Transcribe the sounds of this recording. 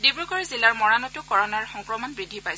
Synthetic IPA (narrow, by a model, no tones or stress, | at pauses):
dibɹukɔɹzilaɹmɔɹanɔtukɔɹɔnaɹxɔŋkɹɔmɔnbɹidʱːipaj